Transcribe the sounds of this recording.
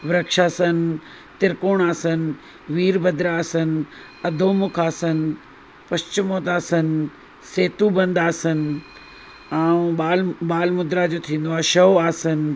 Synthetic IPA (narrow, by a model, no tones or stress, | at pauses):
ʋɾəkʃaːsənɪ̆ | t̪ɪɾkoːɽ̃aːsənɪ̆ | ʋiːɾbʱɐd̪ɾaːsənɪ̆ | ɐd̪ʱoːmʊkʰaːsənɪ̆ | pɐst͡ɕɪmoːt̪aːsənɪ̆ | seːt̪ubɐ̃nd̪aːsənɪ̆ | aːũɓaːlɓaːlmʊd̪ɾad͡ʑoːt̪ʰĩːn̆d̪oaːʃɐʋaːsənɪ̆